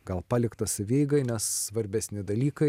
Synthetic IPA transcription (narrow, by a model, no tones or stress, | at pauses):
ɡɐlˠpɑːlʲɪkt̪ɐsʲɪʋʲeɪɡɐɪnʲɛssʋɐɾʲbʲɛsʲnʲɪd̪ɐlʲiːkɐɪ